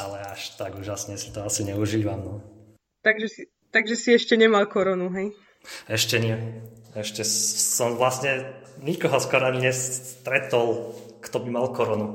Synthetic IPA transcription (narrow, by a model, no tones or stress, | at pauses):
alɛaʃt̪aɡuːʒasɲɛsi̥t̪ɔasiɲɛuʒiːʋamnɔ | t̪aɡʒɛsi | t̪aɡʒɛsiɛʃcɛɲɛmalkɔɾɔnuɦɛj | ɛʃcɛɲɪɛɛʃcɛsɔmʋlasɲɛɲikɔɦɔskɔɾaɲiɲɛst̪ɾɛt̪ɔlkt̪ɔbimalkɔɾɔnu